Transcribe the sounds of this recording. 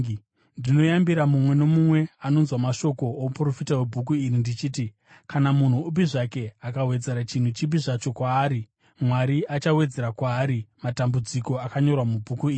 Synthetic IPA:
ndino̞jambiɾamumwe̞no̞mumwe̞ano̞nzwamaʃo̞ko̞ːupuro̞fitawe̞bʱuk̬uirindit͡ʃiːti | kanamun̤uubiʐake̞akawe̞d͡ze̞ɾat͡ʃin̤ut͡ʃib̬iʐat͡ʃo̞kwaːɾi | mwaɾiʔat͡ʃawe̞d͡ze̞ɾakwaːɾimatambud͡ziko̞akaɲo̞rwamubʱukuiːri

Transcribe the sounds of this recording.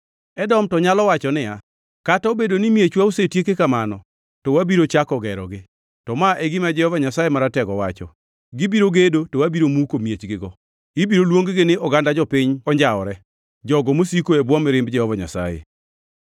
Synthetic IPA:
ɛdɔmtɔɲalɔwat͡ʃɔnɪja | kataobedonɪmjet͡ʃwaosetjekekamanɔ | tɔwabiɾot͡ʃakɔɡɛɾɔ̰ɡɪ | tɔmaʔeɡɪmad͡ʒɛhɔvaɲasajemaɾatɛɡɔwat͡ʃɔ̰ | ɡɪbiɾoɡedotowabiɾomukomjet͡ʃɡɪɡɔ | ɪbiɾolwoŋɡɡɪnɪʔɔɡandad͡ʒɔpɪɲɔɲd͡ʒaɔ̰ɾɛ | d͡ʒɔɡɔmosikoebwɔmɪɾɪmbd͡ʒɛhɔvaɲa̰sa̰jḛ

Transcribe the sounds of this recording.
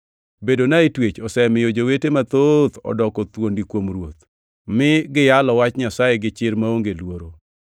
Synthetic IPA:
bedonaitwet͡ʃɔsɛmɪjod͡ʒowetemat̪ot̪ɔ̰dɔkɔt̪wondikwomɾwot̪̚ | mɪɡɪjalɔwat͡ʃɲasaeɡɪt͡ʃɪɾmaoŋɡelwoɾo

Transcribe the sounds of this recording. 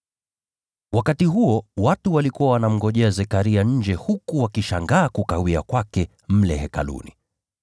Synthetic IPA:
wakatiɦuɔwatuwalikuawanam̩ɡɔʄɛazɛkaɾiaɲ̩d͡ʒɛhukuwakiʃaŋɡaːkukawia̰kwakɛ | m̩lɛhɛka̰lṵni

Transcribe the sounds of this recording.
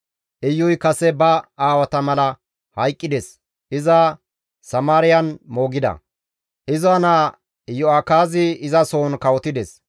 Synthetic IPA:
ʔɪjːʊjkɐsɛbɐaːwɐt̪ɐmɐlɐ | hɐjkʼːɪd̪ɛs | ʔɪzɐ | sɐmaːɾɪjɐnmo̞ːɡɪd̪ɐ̰ | ʔɪzɔɐna | jɔakaːzɪɪzɐso̞ːnkɐwɔt̪ɪd̪ɛs

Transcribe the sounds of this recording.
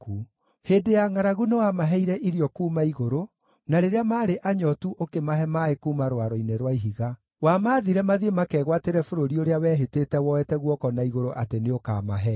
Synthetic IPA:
ku | heːdejaŋaɾaɣunewamaɦɛiɾɛʔiɾjɔkuːmaiɣoɾo | naɾeɾeamaːɾeʔaɲɔtuʔokemaɦɛmaekuːmaɾwaɾoineɾwaiɦiɣa | wamaðiɾɛmaðiemakɛːɣwateɾɛfoɾoɾioɾeawɛːɦetetɛwɔɛtɛɣwɔkɔnaiɣoɾoʔateneoka̰ːmaɦɛ

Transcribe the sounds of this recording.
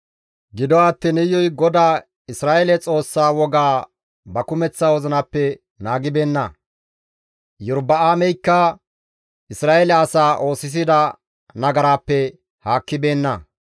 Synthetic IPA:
ɡɪd̪ɔwaːt̪ːɛnɛjːɔjɡɔd̪aː | ɪsɾaːʔɛlɛt͡sʼo̞ːsːaːwɔɡaː | bɐkʊmɛt͡sːaːwɔzɐnɐpːɛ | naːɡɪbe̞ːnːɐ | jʊɾbɐaːmɛjkːɐ | ɪsɾaːʔɛlɛɐsaːʔo̞ːsɪs̬ɪd̪ɐ | nɐɡɐɾaːpːɛ | haːkːɪbe̞ːnːɐ

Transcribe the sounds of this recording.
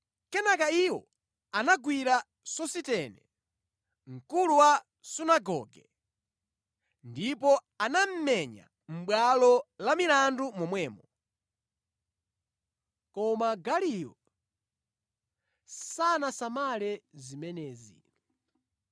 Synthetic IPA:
kɛnakaiwɔ̰ | anaɡwiɾa | sɔsitɛnɛ | ŋ̩kuluwa | sunaɡɔ̰ːɡɛ | ndipɔ | anam̩mɛɲa̰ | m̩ɓwalɔlamilandumɔmwɛːmɔ | kɔmaɡalijɔ | sanasamalɛzimɛnɛːzḭ

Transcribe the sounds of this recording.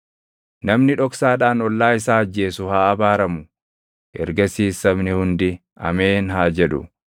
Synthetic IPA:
nɐmnɪᶑɔksaːᶑaːnɔlːaːɪsaːɐd͡ʒːe̞ːsʊhaːɐbaːɾɐmʊ | ʔɛ̰ɾɡɐsiːsːɐbnɪhʊnd̪ɪ | ɐ̰meːnɦaːd͡ʒɛᶑʊ̰

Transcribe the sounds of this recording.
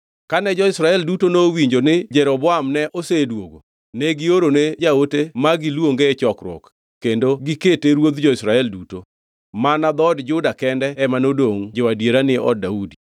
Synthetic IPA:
kanɛd͡ʒɔɪsɾaɛldutonowiɲd͡ʒonɪd͡ʒɛɾɔbɔamnɛʔosedwo̰ɡo̰ | nɛɡɪoɾoned͡ʒaotemaɡɪlwoŋɡet͡ʃɔkɾwɔ̰kː | endoɡɪketeɾwod̪d͡ʒɔɪsɾaɛlduto | manad̪ɔdd͡ʒʊdakɛndɛɛmanodoŋd͡ʒewadjeɾanɪɔ̰d̚daudi

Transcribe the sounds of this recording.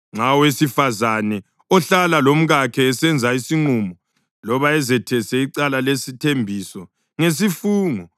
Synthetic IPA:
ŋ͡ǁawesifazanɛ | ɔɬalalom̩ɣakʰɛːsɛnd͡zʱaisiŋ͡ǀumɔ | lɔβaɛzɛtʰɛsɛiǀalalesitʰembʱisɔ | ŋes̬ifuːŋɔ

